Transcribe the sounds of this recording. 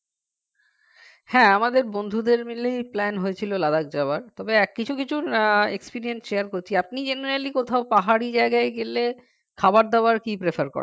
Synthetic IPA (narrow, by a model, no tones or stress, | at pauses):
hɛ̃amad̪eɾbond̪ʱud̪eɾmilejplɛnɦojet͡ɕʰilolad̪ak̚d͡ʑabaɾt̪ɔbeɛkːit͡ɕʰukit͡ɕʰuekspiɾiensʃeaɾkoɾt͡ɕʰiap̚nid͡ʑeneɾalikot̪ʰaopaɦaɽid͡ʑaeɡaeɡele | kʰabaɾd̪aʊaɾkipɾefʰaɾkɔ̰ɾa̰